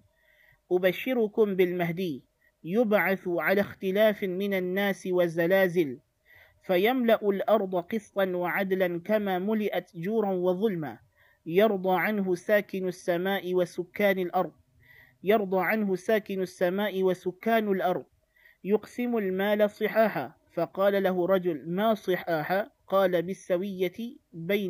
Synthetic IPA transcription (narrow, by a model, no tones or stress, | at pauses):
ʔʊbaʃːɪɾʊkʊmbɪlmaɦd̪iː | jʊbʕaθʕalaːxt̪ɪlaːfmɪnanːaːsɪwazalaːzɪl | fajamlaʔʊlʔɑɾˤd̪ˤɑqɨsˤt̪ˤɑnwaʕad̪lankamaːmʊlɪʔat̪d͡ʒuːɾˤɑnwɑðˤʊlma | jɑɾˤd̪ˤɑːʕanɦʊsaːkɪnʊsːamaːʔɪwasʊkːaːnalʔɑɾˤd̪̚ˤ | jɑɾˤd̪ˤɑːʕanɦʊsaːkɪnasːamaːʔɪwasʊkːaːnalʔɑɾˤd̪̚ˤ | jʊqsɪmʊlmaːlasˤɨħaːħaː | fɑqɑːlalaɦʊɾˤɑd͡ʒʊlmaːsˤɨħɑːħaqɑːlabɪsːawɪjːabajn